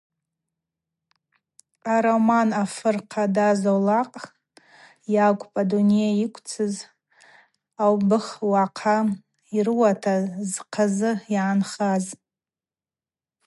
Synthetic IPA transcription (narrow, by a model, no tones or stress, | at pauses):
aɾomanafɨrqʰadazolaqʼ | jakʷʼpʼaduniaikʷʰt͡sʰɨz | awbɨχwaqʰa | irɨwatʰazqʰazɨiːnχaz